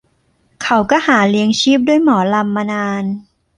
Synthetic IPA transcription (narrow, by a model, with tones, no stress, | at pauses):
kʰa˩˦wkɔː˥˩haː˩˦li˧əŋt͡ɕʰiː˥˩p̚du˥˩əjmɔː˩˦la˧mːa˧naː˧n